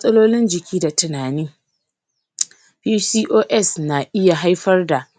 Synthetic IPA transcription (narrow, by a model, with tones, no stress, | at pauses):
mɐ˦sʼɐ˦loː˦lɪ˦nd͡ʒɪ˨kʲiː˦da˨tɐ˨naː˨niː˦ | ɸiː˦siː˦ʔoː˦ʔɛ˦˨sna˨ʔɪ˦ja˨ɦa˦jɸɐ˦rda˨ʔ